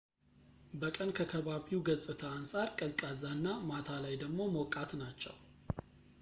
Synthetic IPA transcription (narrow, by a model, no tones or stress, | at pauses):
bəkʼənkʰəkʰəβaβiwɡəzʼɨt̪ʰəansʼaɾkʼəzkʼazanːamat̪ʰalajd̪əɡmo̞məwkʼat̪nat͡ʃːɛ̰w